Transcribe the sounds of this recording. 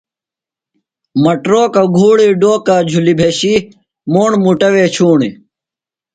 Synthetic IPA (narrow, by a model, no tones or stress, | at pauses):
mɐʈɾoːkɐɡʱuːɽiːɖoːkad͡ʑʱulibʱeːɕi | moːɳmuʈɐwet͡ɕʰuːɳi